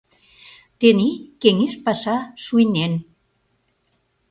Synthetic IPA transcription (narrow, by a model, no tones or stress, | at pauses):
t̪enikeŋeʃpasaʃujnen